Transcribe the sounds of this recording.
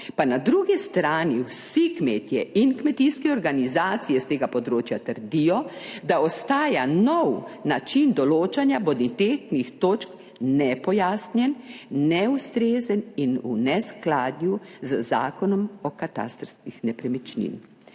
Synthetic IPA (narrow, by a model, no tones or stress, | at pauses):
panad̪ɾuɡist̪ɾaːniwsikmeːt̪jɛʔinkmɛt̪iskɛɔɾɡanizaːt̪sijɛst̪eːɡapɔd̪ɾoːt͡ʃjat̪əɾd̪ijɔd̪aɔst̪aːjanɔwnat͡ʃind̪ɔloːt͡ʃanjabod̪it̪et̪nixt̪oːt͡ʃk | nɛpɔjaːsnjɛnːɛust̪ɾeːzəninṵnɛsklaːd̪njuzəza̰ːkɔnɔmɔkat̪a̰st̪ɾskixnɛpɾɛmit͡ʃnḭn